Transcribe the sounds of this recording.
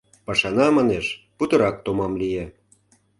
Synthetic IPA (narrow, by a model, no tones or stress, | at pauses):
pɑʃɑnɑmɑneʃput̪ɤ̆ɾɑk̚t̪omɑmlije